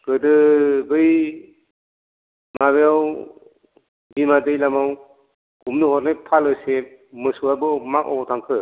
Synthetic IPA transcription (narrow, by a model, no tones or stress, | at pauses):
kɯdɯbɯj | maβeaw | bimadɯjlamaw | ɡumnɯhɔt̚najpʰalɯsemɯsuabɯmakɔ̰tʰaŋkʰɯ